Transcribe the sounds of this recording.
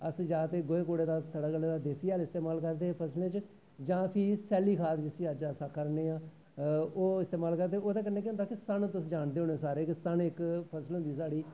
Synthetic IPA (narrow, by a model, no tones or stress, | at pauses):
əsd͡ʒaːt̪eːɡoːeːkoːɽeːd̪aːt̪ʰəɽaːɡəlːeːd̪aːd̪eːsiːaːlɪst̪eːmaːlkəɾd̪eːpʰəslẽːt͡ʃ | d͡ʒãːpʰɪsɛːliːkʰaːt̪d͡ʒɪsiːəd͡ʒəsaːkʰəɾneːaː | oːɪst̪eːmaːlkəɾd̪eːoːd̪eːkɪnːẽːkeʊnd̪aːkɪsəɳt̪ʊsd͡ʒaːɳd̪eːoːneːsaːɾeːksəɳɪkpʰəsəlɦʊ̃nd̪iːs̬aːɽiː